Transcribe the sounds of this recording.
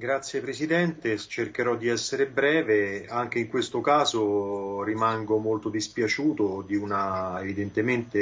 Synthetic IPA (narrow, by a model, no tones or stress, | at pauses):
ɡɾat̪sːjepɾesid̪ɛnt̪et͡ʃerk̟eɾɔd̪ːiɛsːeɾebɾɛːveaŋk̟eiŋkwest̪okaːzorimaŋɡomolt̪od̪ispjat͡ʃuːt̪od̪iunaevid̪ent̪ement̪e